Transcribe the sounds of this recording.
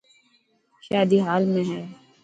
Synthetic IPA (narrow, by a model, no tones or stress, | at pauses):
ʃaːd̪iɦaːlmẽɦɛː